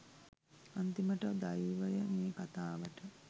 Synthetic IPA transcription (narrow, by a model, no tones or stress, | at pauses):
ant̪iməʈəd̪ajiʋəjəmeːkat̪aːʋəʈə